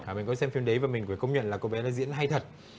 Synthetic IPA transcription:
aː˨˩mï˨˩ŋkɔ˨˦sɛ˧mfi˧mɗə˨˦vaː˨˩mï˨˩ŋvkə˧wŋ͡mɲwə̰˧˨nlaː˨˩ko˧ɓɛ˨˦laː˨˧˦zḭ˧˥ənɦa˧jt̪ʰə˨˩t̚

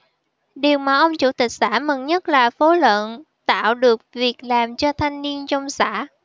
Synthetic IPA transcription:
ɗi˨˩əwmaː˨˩ʔə˧wŋ͡mt͡ɕu˧˩t̪ï˨˩k̟̚sa̰ː˧˥mə˨˩ŋɲə˦˥t̚laː˨˩fo˨˦lwə̰˧˨n | t̪a̰ː˧˨wɗɨ˨˩ək̚vi˨˩ək̚laː˨˩mt͡ɕɔ˧t̪ʰa˧jŋ̟ni˧ənt͡ɕɔ˧wŋ͡msa̰ː˧˥

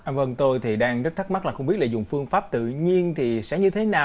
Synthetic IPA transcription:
ʔaː˧və˧˩ŋt̪o˧jt̪ʰi˨˩ɗaː˧ŋz̚t̪ʰə˦˥t̚ma˦˥laː˨˩xə˧ŋ͡mi˦˥t̚la̰ː˧˩zʊ̰˧˨˩ŋ͡mfɨ˧əŋfaː˦˥p̚t̪ɨ̰˧˨ɲi˧ənt̪ʰi˨˩sɛ̰˧˥ɲɨ˧t̪ʰe˨˦naː˨˩

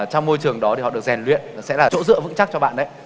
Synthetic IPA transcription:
t͡ɕɔ˧wŋ͡mmo˧jt͡ɕɨ˨˩əŋɗɔ˨˦t̪i˨hɔ̰˧˨ɗɨ˨˩ək̚zɛ˨˩nlwḭ˧˨ən˨˩sɛ̰˧˥laː˨˩t͡ɕo̰˧˥zɨ̰˧˨əvɨ̰˧˥ŋt͡ɕa˦˥k̚t͡ɕɔ˧ɓa̰ː˧˨nɗə˨˦j

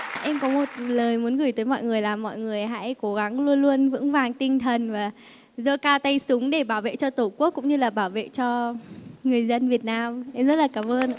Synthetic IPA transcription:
ʔɛ˧mkɔ˨˦mo˨˩t̚ləː˨˩jmu˨˦ənɣɨ˧˩jt̪əː˨˦jmɔ̰˧˨jŋɨ˨˩əjlaː˨˩mːɔ̰˧˨jŋɨ˨˩əjɦa̰ː˧˨ʔko˨˦ɣa˨˦ŋlu˧ənlu˧ənvɨ̰˧˥əŋvaː˨˩ŋt̪ï˧ŋ̟t̪ʰə˨˩nvaː˨˩ | zə˧kaː˧wt̪ə˧jsʊ˨˦ŋ͡mɗe˧˩ɓaː˧˩wvḛ˧˨t͡ɕɔ˧t̪u˧˩ku˦˥kːʊ̰˧˥ŋ͡mɲɨ˧laː˨˩ɓaː˧˩wvḛ˧˨t͡ɕɔ˧ŋɨ˨˩əjzə˧nvi˨˩ət̚naː˧mʔɛ˧mzə˦˥t̚laː˨˩kaː˧˩mʔəː˧n˧˨

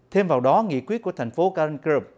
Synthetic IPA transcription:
t̪ʰe˧mvaː˨˩wɗɔ˨˦ŋḭ˧˨kwi˦ət̚ku˧˩ət̪ʰjŋ̟fo˨˦kaː˧ə˧nkə˧˩p̚

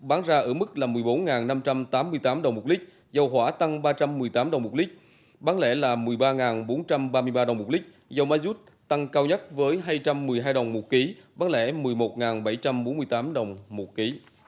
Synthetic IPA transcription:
ɓaː˨˦ŋzaː˧ʔə̰ː˧˩mɨ˦˥k̚laː˨˩mɨ˨˩əjɓo˨˦nŋaː˨˩nna˧mt͡ɕa˧mt̪aː˨˦mːɨ˧əjt̪aː˨˦mɗə˨˩wŋ͡mmo˨˩t̚li˦˥k̟̚ | zə˧˩wɦwaː˧˩t̪a˧ŋɓaː˧t͡ɕa˧mːɨ˨˩əjt̪aː˨˦mɗə˨˩wŋ͡mmo˨˩t̚lï˦˥k̟̚ | ɓaː˨˦nlɛ̰˧˩laː˨˩mɨ˨˩əjɓaː˧ŋaː˨˩nɓo˨˦nt͡ɕa˧mɓaː˧mɨ˧əjɓaː˧ɗə˨˩wŋ͡mm̚˨˩lï˦˥k̟̚ | zə˧wma˧zu˦˥t̚ | t̪a˧ŋkaː˧wɲə˦˥t̚vəː˨˦jɦaː˧jt͡ɕa˧mːɨ˨˩əjɦaː˧jɗə˨˩wŋ͡mmo˨˩t̚ki˨˦ɓaː˨˦nlɛ̰˧˩mɨ˨˩jmo˨˩t̚ŋaː˨˩nɓa˧˩jt͡ɕa˧mɓo˨˦nmɨ˧əjt̪aː˨˦mɗə˨˩wŋ͡mmo˨˩t̚ki˨˦

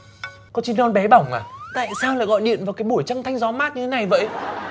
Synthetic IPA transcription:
kɔ˨˦t͡ɕi˨˧˦nɔ˧nɓɛ˨˦ɓa˧˩wŋ͡mʔaː˨˩t̪a̰ː˧˨jsaː˧wlaː˧˨jɣɔ̰˧˨jɗḭ˧˨ənvaː˨˩wkaː˨˦jɓu˧˩əjt͡ɕa˧ŋt̪ʰa˧jŋzɔ˨˦maː˦˥t̚ɲɨ˧e˨˦na˨˩jvə̰˧˥j

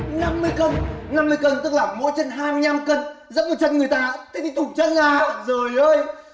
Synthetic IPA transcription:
na˧mːɨ˧əjkə˧˩nna˧mːɨ˧əjkə˧˩nt̪ɨ˦˥k̚laː˨˩mo̰˧˥jt͡ɕə˧nɦaː˧m˧ɲa˧mkə˧˩nzə̰˧˥n̚mo˨˩t͡ɕə˧nŋɨ˨˩əjt̪aː˧t̪i˧˦t̪i˧˦t̪ʊ˨˩ŋ͡m̚t͡ɕə˧nlaː˨˩zoː˨˩jʔəː˧j

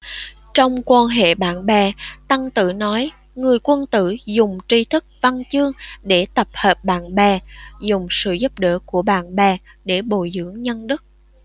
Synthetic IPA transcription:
t͡ɕɔ˧wŋ͡mkwaː˧nɦḛ˧˨ɓaː˧˨nɓɛ˨˩t̪a˧ŋt̪ɨ̰˧˩nɔ˨˦j | ŋɨ˨˩əjkwə˧nt̪ɨ̰˧˩zʊ˨˩ŋ͡mt͡ɕi˧t̪ʰɨ˦˥k̚va˧nt͡ɕɨ˧əŋɗe˧˩t̪ə˨˩p̚həː˨˩p̚ɓa̰ː˧˩nɓɛ˨˩zʊ˨˩ŋ͡msɨ̰˧˨zu˦˥p̚ɗə̰ː˧˥ku˧˩əɓa̰ː˧˨nɓɛ˨˩ | ɗe˧˩ɓo˧˨jzɨ̰˧˥əŋɲə˧nɗɨ˦˥k̚

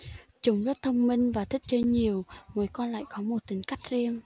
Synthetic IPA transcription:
t͡ɕʊ˨˦wŋ͡mzə˦˥t̚t̪ʰə˧wŋ͡mmï˧ŋ̟vaː˨˩t̪ʰi˦˥k̚t͡ɕe˧nɲi˨˩əwmə˨˦jkɔ˧nla̰ː˧˨jkɔ˨˦mo˨˩t̚t̪ï˨˦ŋ̟ka˦˥jk̟̚zi˧əm

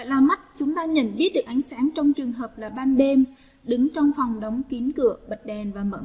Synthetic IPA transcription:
a̰˧˨jlaː˨˩ma˦˥t̚t͡ɕʊ˨˦ŋ͡mt̪aː˧ɲə̰˧˩˨nɓi˦˥ət̚ɗɨ˨˩əkʔa˨˦jŋ̟saː˨˦ŋt͡ɕɔ˧wŋ͡mt͡ɕɨ˨˩əŋɦəː˨˩p̚laː˨˩ɓaː˧nɗe˧m | ɗɨ˨˦ŋt͡ɕɔ˧wŋ͡mfɔ˨˩wŋ͡mɗə˨˦wŋ͡mki˨˦ənkɨ̰˧˩˨əɓə˨˩t̚ɗɛ˨˩nvaː˨˩mə̰ː˧˥

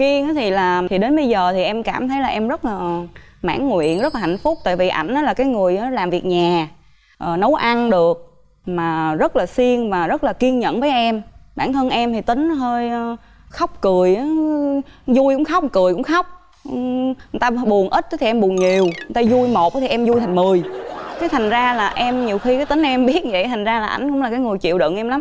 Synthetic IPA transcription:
ki˧əŋʔaː˨˦t̪ʰi˨˩laː˨˩t̪ʰi˨˩ɗe˨˦nɓə˧jzəː˨˩t̪ʰi˨˩ʔɛ˧mkaː˧˩mt̪ʰə˨˦jlaː˨˩ʔɛ˧mzə˦˥t̚laː˨˩ | ma̰ː˧˥˨nŋwḭ˧˨ənzə˦˥laː˨˩a̰˧˨˩ŋ̟fʊ˦˥k͡p̚t̪a̰ː˧˨jvḭ˨ʔa̰˧˩jŋ̟ʔaː˨˦laː˨˩kaː˨˦jŋɨ˨˩əjʔa˨˦laː˨˩mvi˨˩ək̚ɲaː˨˩ | ʔəː˨˩nə˨˦wʔa˧nɗɨ˨˩ək̚ | maː˨˩zə˦˥t̚laː˨˩si˧əŋvaː˨˩zə˦˥t̚laː˨˩ki˧ənɲə̰˧˨nvəː˨˦jʔɛ˧mɓa̰ː˧˩nt̪ʰə˧nʔɛ˧mt̪ʰi˨˩t̪ï˨˦ŋ̟˨˦ɦəː˧jəː˧ | xa˦˥wk͡p̚kɨ˨˩əjʔaː˨˦ | zu˧jkʊ̰˧˥ŋ͡mxa˦˥k͡p̚kɨ˨˩əjkʊ̰˧˥ŋ͡mxa˦˥wk͡p̚ | ɨ˨˩t̪aː˧ɓu˨˩ənʔi˦˥t̪̚ə˨˦t̪ʰi˨ɛ˧mɓu˨˩ənɲi˨˩əwt̪aː˧zu˧jmo˨˩t̚ʔt̪ʰi˨˩ʔɛ˧mzu˧jt̪ʰa˨˩ŋ̟mɨ˨˩əjk̪aː˨˦jt̪ʰa˨˩jŋ̟zaː˧laː˨˩ʔɛ˧mɲi˨˩əwxi˧kaː˨˦t̪ï˨˦ŋː˧ʔɛ˧mɓi˦˥ət̚və̰˧˨jt̪ʰa˨˩jŋ̟zaː˧laː˨˩ʔa˧˩jŋ̟kʊ̰˧˥ŋ͡mlaː˨˩kaː˨˦ŋɨ˨˩jt͡ɕḭ˧˨wɗɨ̰˧˨nʔɛ˧mla˨˦m

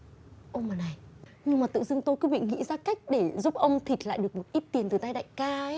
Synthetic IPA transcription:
ʔo˧maː˨˩na˨˩j | ɲɨ˧ŋmaː˨˩t̪ɨ̰˧˨zɨ˧əŋt̪o˧jkɨ˨˦ɓḭ˧˨ŋḭ˧˥zaː˧ka˦˥jk̟̚ɗe˧˩zu˦˥p̚ʔə˧wŋ͡mt̪ʰi˨˩k̟̚la̰ː˧˨jɗɨ˨˩ək̚mo˨˩t̚ʔi˦˥t̚t̪i˨˩ənt̪ɨ˨˩t̪a˧jɗa̰ː˧˨jkaː˧˦

